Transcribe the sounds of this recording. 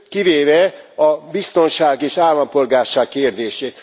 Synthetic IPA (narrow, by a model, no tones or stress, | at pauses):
kiveːvɛɒbist̪o̞nʃaːɡeːʃaːlːɒmpo̞lɡaːrʃaːkkeːrd̪eːʃeːt̪